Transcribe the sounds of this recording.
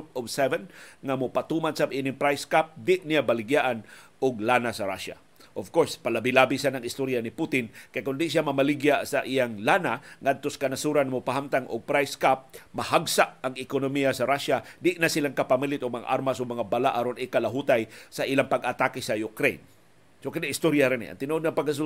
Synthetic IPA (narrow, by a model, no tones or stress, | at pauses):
p̚ɔvsɛvɛnŋamʊpat̪umansamʔinɪŋpɾajskap̚d̪ɪʔnijabalɪɡjaʔanʔʊɡ̚lanasaɾa̰ʃa̰ | ʔovkoɹspalabilabisanaŋɪst̪oɾjaniput̪ɪnkajkʊnd̪ɪʔʃjamamalɪɡjaʔsaʔijaŋlanaŋad̪̚t̪oskanasuɾanmopaɦamt̪aŋʔʊ̰ɡ̚pɾajskap̚mahaɡsaʔaŋɪkonomijasaɾaʃad̪ɪʔnasilaŋkapamilɪt̪ʊɡ̚mɐŋa̰ʔaɾmasʊɡ̚mɐŋabalaʔaɾonɪkalaɦut̪ajsaʔilaŋpaɡʔat̪akɪsajʊkɾḛjn | sokand̪iʔɪst̪oɾjaɾɪnḭʔa̰nt̪ɪnuʔod̪̚ŋɐŋpaɡkas̬u